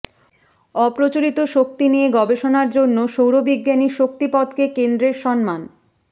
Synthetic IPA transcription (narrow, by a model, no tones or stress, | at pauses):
ɔpɾot͡ɕoɾit̪oʃok̚t̪inieɡɔbeʃonaɾd͡ʑonːoʃowɾobiɡːaniʃok̚t̪ipɔd̪kekend̪ɾeɾʃɔnman